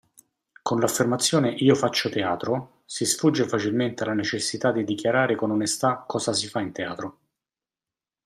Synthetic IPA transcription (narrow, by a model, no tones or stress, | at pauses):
konlafːermat̪sːjoːneʔiːofat͡ʃːot̪eaːt̪ɾo | sisfud͡ʒːefat͡ʃilment̪ealanet͡ʃesːit̪ad̪ːid̪ikjaɾaːɾekononest̪akːɔːzasifaint̪ea̰ːt̪ɾo